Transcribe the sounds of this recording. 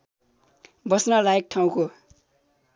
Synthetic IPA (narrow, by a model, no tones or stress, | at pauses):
bʌsnʌlaek̚ʈʰaw̃ko